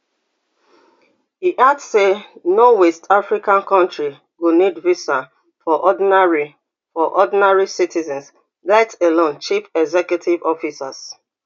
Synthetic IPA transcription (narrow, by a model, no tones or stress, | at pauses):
hiʔadssenɔwɛstʰafɹikãnkɔ̃ntɹi | ɡunidvisa | fɔʔɔdaɹi | fɔʔɔdinaɹisitʰizɛ̃ns | laɪtelõnt͡ʃifɛɡzɛkjutʰivɔfisa̰s